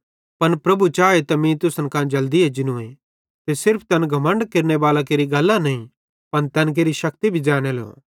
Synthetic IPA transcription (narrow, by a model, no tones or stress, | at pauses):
pɐnpɾɐbut͡ʃaːet̪ɐmĩt̪ʊsənkãːd͡ʒɐld̪ied͡ʒɪnũe | t̪esɪɾpʰt̪ɛnɡʱɐmə̃ɳɖkeɾneʋaːlakeːɾiɡɐlːãnɐĩ | pɐnt̪ɛːnk̬eːɾiʃɐkt̪ibʱid͡ʒaːɽ̃elo̰ː